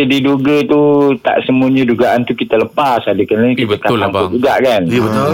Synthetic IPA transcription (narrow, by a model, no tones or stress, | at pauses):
adiduɡət̪ut̪a̰ʔsəmuuɲəd͡ʒuɡaʔant̪ukit̪ələpasadəkənəkitatkaaŋʊd͡ʒuɡaʔkanbət̪